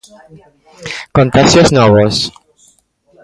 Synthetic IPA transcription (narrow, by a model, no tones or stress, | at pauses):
kõnt̪axjosnoβos